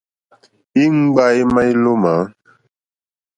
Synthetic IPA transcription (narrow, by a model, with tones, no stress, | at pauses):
i˦ŋ͡m̩˦ɡ͡ba˦i˦mã˦i˦lo˦ma˨˦